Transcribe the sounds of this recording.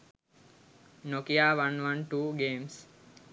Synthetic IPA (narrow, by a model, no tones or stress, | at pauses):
nokiaːʋãnʋãnʈuːɡeːms